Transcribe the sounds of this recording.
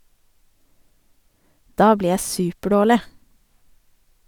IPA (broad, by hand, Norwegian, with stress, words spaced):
ˈdɑː ˈbliː ˈjæ ˈsʉːpəˌɖoːɭɪ